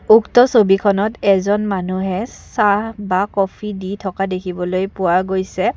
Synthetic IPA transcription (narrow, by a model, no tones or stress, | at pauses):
uktɔsobikʰɔnɔtɛzɔnmanuɦɛsabakɔpʰiditʰɔkadekʰibɔlojpʊaɡojsɛ